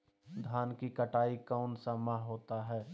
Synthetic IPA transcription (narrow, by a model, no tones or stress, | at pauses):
d̪ʱaːnkikəʈaːikaʊnsamaɦɦoːt̪aɦɛː